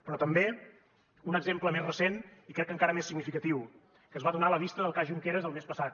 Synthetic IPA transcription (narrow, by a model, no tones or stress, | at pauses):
pɾɔt̪əmbe | unəɡzempləmezrəsenikɾɛkːəŋkaɾəmesiɡnifikət̪iw | kəːzβaðunaləβist̪əðəlˠkaʒuŋkeɾəzðəlˠmespəsat̪̚